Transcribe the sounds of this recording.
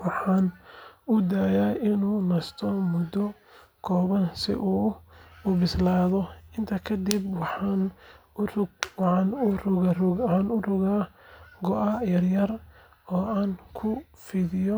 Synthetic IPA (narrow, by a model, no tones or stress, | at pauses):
wɑħɑːnʊd̪aːjaːɪnuːnɐst̪ʰɔmʊd̪ɔ | kʰɔːβɐnsɪ̰ʔuːʊbɪslaːðɔɪnt̪ʰɐkʰɐd̪ibwɑħɑnrʊɡwħɑːnʊrʊrʊħɑːnʊrʊɣaːɡɔʔɐjɐrjɐr | ɔːaːnkʰʊ | fɪðɪjɔ